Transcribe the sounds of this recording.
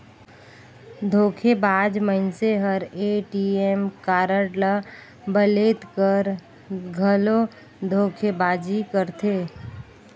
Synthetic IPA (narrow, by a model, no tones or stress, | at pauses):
d̪ʱoːkʰebaːd͡ʒməɪnseɦəɾeːʈiemkaːɾəʈlə | bəleːt̪kəɾ | ɡʱəlõ | d̪ʱoːkʰebaːd͡ʒikəɾt̪ʰeː